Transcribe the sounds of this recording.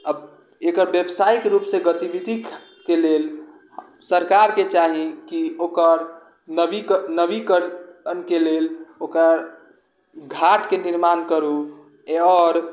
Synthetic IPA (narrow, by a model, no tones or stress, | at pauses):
əb | ekəɾbebsaikɾupseɡət̪ibid̪ʱi | kelel | səɾkaɾket͡ʃaɦikiokəɾ | nəbiknəbikəənkelelokəɾ | ɡʱaʈkeniɾmankəɾu | eɔɾ